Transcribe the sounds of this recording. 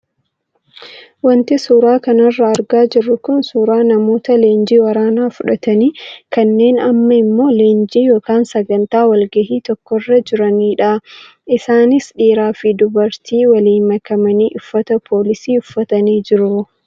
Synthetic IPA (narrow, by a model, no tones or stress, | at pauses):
wɐnt̪ɪsuːɾaːkɐnɐrːɐːɾɡaːd͡ʒɪrːʊkʊnsuːɾaːnɐmo̞ːt̪ɐle̞ːnd͡ʒiːwɐɾaːnaːfʊᶑɐt̪ɐniːkɐnːe̞ːnɐmːɐɪmːo̞ːle̞ːnd͡ʒiːjo̞ːkaːnsɐɡɐnt̪aːwɐlɡɐhiːt̪ɔkːɔrːɐd͡ʒɪɾɐniːᶑa | ɪsaːnɪsᶑiːɾaːfɪd̪ʊbɐɾt̪iːwɐliːmɐkɐmɐniːʔʊfːɐt̪ɐpʰo̞ːlɪsiːʊfːɐt̪ɐniːd͡ʒɪɾʊ